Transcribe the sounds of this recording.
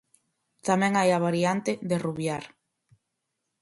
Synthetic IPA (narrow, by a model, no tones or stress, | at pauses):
t̪amɛ̃ŋajaβaɾiant̪ɪðeruβjaɾ